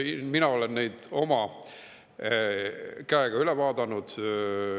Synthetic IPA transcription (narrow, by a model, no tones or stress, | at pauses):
iminɑo̞lenːe̞jd̪̥o̞mɑ | kæeɡ̥ɑylevɑːd̪ɑnud̪̥